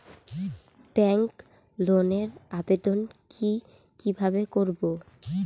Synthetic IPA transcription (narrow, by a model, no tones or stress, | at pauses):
b̥ɛŋk | loneɾabed̪onkʰi | kibʱabekoɾbo